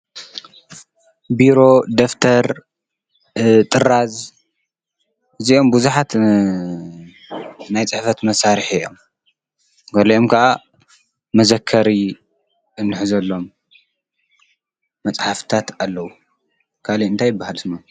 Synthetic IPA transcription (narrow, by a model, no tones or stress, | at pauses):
biɾo̞d̪oft̪ʰɐɾ | t̪ʼɨɾaz | ɨziʔo̞mbuzuħat̪ | najt͡sʼɨħfɐt̪mɐsaɾħijo̞̰m | ɡɐliʔomkʰɐʔa | mɐzɐkʰːɐɾi | ɨnːɨħzɐlːo̞m | ɐt͡sʼħaft̪ʰat̪alːɐwu | kʰaliɨnt̪ʰajɪbːahalsma